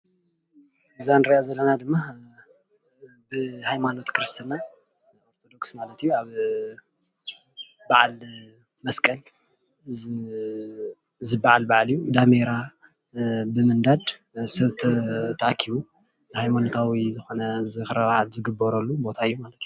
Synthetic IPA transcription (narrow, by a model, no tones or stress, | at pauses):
zand̪ɾajazɐlːɐnad̪ɨmːa | bɨhajmano̞t̪kʰɨɾɨst̪ʰana | oɾt̪ʰo̞d̪o̞ksmalɐt̪ijːuaβ | baʕal | mɐskʼɐl | zɨbaʕalbaʕlijːud̪ameɾa | bɨmɨnd̪ad̪ | sɐβt̪ʰɐt̪ʰɐʔakʰiβu | hajmanot̪ʰawizɨxo̞nɐzɨxɨɾɐβaʕalzɨɡɨbːɐɾɐlːubo̞t̪ʰaɨjːumalɐt̪iju